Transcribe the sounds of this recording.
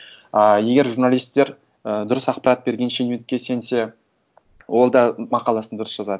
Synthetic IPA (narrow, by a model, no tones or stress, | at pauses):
je̞ɡʲe̞ɾʒuɾnalijst̪e̞ɾ | əd̪ʊɾəsɑq̚pɑɾat̪̚be̞ɾɡʲe̞nʃenunt̪̚kʲːe̞se̞nse̞ | wʔo̞lˠd̪ɑmɑqɑlˠɑsənd̪ʊɾəsʒ̥ɑzɑd̪ə